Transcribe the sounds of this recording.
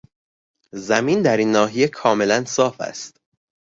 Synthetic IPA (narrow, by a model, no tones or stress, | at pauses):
zæmiːnd̪æɾiːnːɒːɦijekʰɒːme̞lænsɒːfæ̰st̪